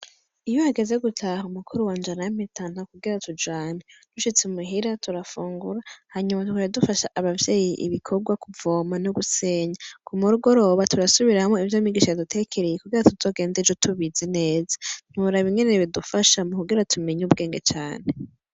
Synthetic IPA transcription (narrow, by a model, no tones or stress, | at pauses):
ijohaɡe̞ze̞ɡutʰahumukʰuɾuwaːnd͡ʒanajimitʰan̥akuɡiɾatud͡ʒaːned̥uʃit͡semuɦiɾatuɾafuːŋɡuɾahaɲumatukoɾedufaʃaʔaβavje̞ːjiʔḭβikʰo̞ɾɡwakuvo̞ːmanoɡuse̞ːɲakʰumuɾuɡo̞ɾo̞ːβatuɾasuβiɾahamoivjomiɡiʃajadutʰe̞kʰeɾejekuɡiɾatuzo̞ːɡe̞ːnded͡ʒotʰuβizene̞ːzḁn̥huɾaβiŋeneβidufaʃamokuɡiɾatʰumeɲub̚ɡe̞ːŋɡe̞t͡ʃaːn̥e̞